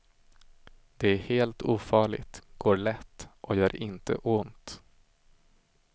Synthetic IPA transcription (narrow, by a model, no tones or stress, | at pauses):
d̪̥ɛæɾheːlt̪uːfɑːɭɪ̰t̪ɡ̥oːɭɛt̪ːʔɔjœːɾɪnt̪ə̰ʔʊnt̪